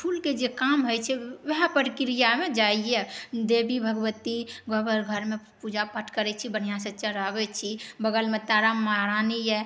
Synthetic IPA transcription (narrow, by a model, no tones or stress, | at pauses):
pʰulked͡ʒekamɦojt͡ʃʰɛʋɛɦpəɾikɾijamed͡ʒaied̪ebibʱəɡwət̪iɡɔbəɾɡʱəɾme | pud͡ʒapəʈʰkəɾɛt͡ʃʰibəɽ̤ijaset͡ʃəɾabɛt͡ʃʰibəɡəlmet̪aɾamaɾanijɛ